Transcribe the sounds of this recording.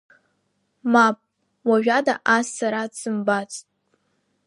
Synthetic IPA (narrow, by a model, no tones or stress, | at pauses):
mapʼ | waʒᶣadaʔasaɾadsɨmbat͡sʼtʼ